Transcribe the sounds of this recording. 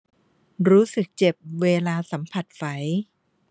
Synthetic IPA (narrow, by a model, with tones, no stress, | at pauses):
ɾuː˦˥sɯ˨˩k̚t͡ɕe˨˩p̚weː˧laː˧sa˩˦mpʰa˨˩t̪̚fa˩˦j